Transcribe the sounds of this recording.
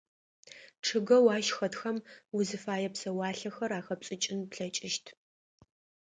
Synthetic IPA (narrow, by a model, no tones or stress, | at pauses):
ʈ͡ʂʰɨɡɐwaːʃxɐtxɐmwʊzɨfaːjɛpsɐwaːɬɐxɐɾaːxɐpɕʼɪt͡ʃʼɪnpɬɐt͡ʃʼɪʃtʰ